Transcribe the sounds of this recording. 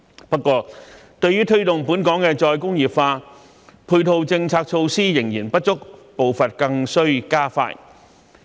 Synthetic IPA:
pɐ˥tkːwɔː˧ | t̪ɵ˧ɥyː˥t̪ʰɵ˥ɥt̪ʊ˨ŋpu˨˥nkɔː˨˥ŋkɛː˧t͡sɔː˧jkʊ˥ŋjiː˨p̚faː˧ | pʰuː˧jt̪ʰo˧wt͡sɪ˧ŋt͡sʰaː˧k̚t͡ʃʰo˧wsiː˥jɪ˨˩ŋjḭː˨˩npɐ˥t̚t͡sʊ˥k̚po˨wfɐ˨t̚kɐ˧ŋsɵ˥ɥkaː˥fa̰ː˧j

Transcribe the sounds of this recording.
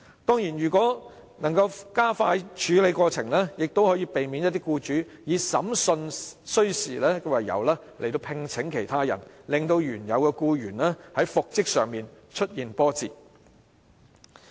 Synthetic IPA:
t̪ɔː˥ŋjiː˨˩nɥyː˨˩kʷɔː˨˥nɐ˨˩ŋkɐ˧wkaː˥faː˧jt͡ʃʰyː˨˥le˨˧jkʷɔː˧t͡sʰɪ˨˩ŋlɛː˥jɪ˨k̚t̪o˥whɔ˨˥jiː˨˧pe˨jmiː˨˧njɐ˥t̪iː˥kuː˧t͡ʃyː˨˥jiː˨˧sɐ˨˥msɵ˧nsɵ˥ɥsḭː˨˩lɛː˥kɛ˧wɐ˨jɐ̰˨wlɛː˥le˨˩jt̪o˧wpʰɪ˧ŋt͡sʰɪ˨˥ŋkʰe˨˩jt̪ʰaː˥jɐ̰˨˩nlɪ˨ŋt̪o˧wjyː˨˩njɐ˨˧wkɛː˧kuː˧jyː˨˩nlɛː˥hɐ˨˥jfʊ˨k̚t͡sɪ˥k̚sœ̰ː˨˩ŋmiː˨n | t͡ʃʰɵ˥t̚jiː˨npɔː˥t͡sḭː˨˩

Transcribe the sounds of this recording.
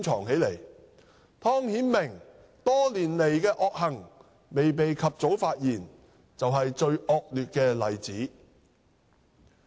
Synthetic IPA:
t͡sʰɔː˨˩ŋhe˨˥jle˨˩j | t̪ʰɔː˥ŋhiː˨˥nmɪ˨˩ŋ | t̪ɔː˥liː˨˩nle˨˩jkɛː˧ʔɔː˧k̚hɐ˨˩ŋ | me˨jp̬e˨jkʰɐ˨p̚t͡so˨˥wfaː˧t̚jiː˨˩n | t͡sɐ˨wɦɐ˨jt͡ʃɵ˧ɥʔɔː˧k̚lyː˨t̚kɛː˧lɐ˨˩jt͡siː˨˥

